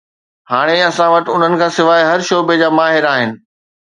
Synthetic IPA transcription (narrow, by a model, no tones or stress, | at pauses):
haːɽ̃eɐsãʋɐʈɪ̆ʊn̤ənɪ̆kʰãːsɪʋaːiɦɐɾʃoːbed͡ʑaːmaːɦɪɾaːɦɪnɪ̆